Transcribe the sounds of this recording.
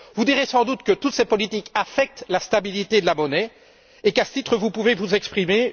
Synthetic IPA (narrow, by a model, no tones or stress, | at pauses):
vud̪iʁesɑ̃d̪ut̪kət̪ut̪sepɔlit̪ikafɛk̚t̪last̪abilit̪ed̪əlamɔnɛ | ekasə̥t̪it̪χəvupuvevuzɛkspχime